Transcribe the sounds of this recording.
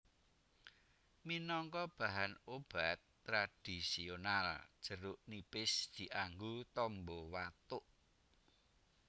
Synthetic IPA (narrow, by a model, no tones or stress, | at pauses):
minɔŋkɔb̥a̤ɦanob̥at̪ːɾad̪̥isionald̥ʒ̥ə̤ɾʊʔnipɪsd̪̥i̤ʔaŋɡut̪ɔmbɔwat̪ʊʔ